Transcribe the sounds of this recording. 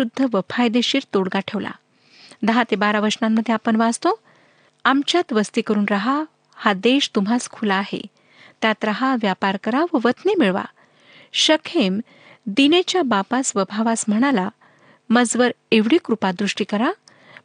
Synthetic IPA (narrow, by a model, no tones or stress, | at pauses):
ud̪ʱːəʋəpʰajd̪eɕiːɾt̪oɽɡaʈʰeʋla̰ | d̪əɦat̪ebaɾaʋəɾsnamːəd̪ʱːjeapəɳʋad͡zt̪o | amt͡ɕjat̪ʋəst̪ikəɾuːnɾaɦa | had̪eɕt̪umaskʰulaːɦḛ | t̪jat̪ɾaɦaʋjapaɾkəɾaʋəʋət̪nemiɭʋa̰ | ɕəkʰem | d̪inet͡ɕjabapasʋəbʱaʋasm̤əɽ̃ala | məd͡zʋəɾeʋɽiːkɾupad̪ɾuʂʈiːkəɾa